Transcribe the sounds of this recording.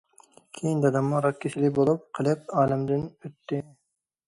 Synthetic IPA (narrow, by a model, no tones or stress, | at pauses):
kʲʰejind̪ɑd̪ɑmːʊɾɑk̪̚kʲʰeʃɪlɪbolˠup̚qʰəlˠɨp̚ɑːlɪmd̪ɪnøt̪ːɪ